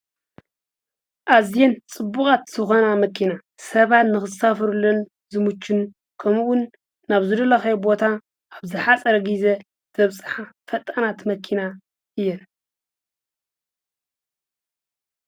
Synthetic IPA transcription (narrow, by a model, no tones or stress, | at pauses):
ʔazjent͡sʼɨbːukʼat̪sɨxɐnamɐkʰina | sɐβat̪nɨxɨsafɐɾulːon | zɨmut͡ʃːɪn | kʰɐmwʊnː | aβzɨd̪ɐlɐxɐjbo̞t̪ʰa | ʔːβzɨħat͡sʼɐɾɐɡize | zʰɐβsʼɨ̥ħafɐt̪ʼɐnat̪mɐkʰina | ʔɨjːɛn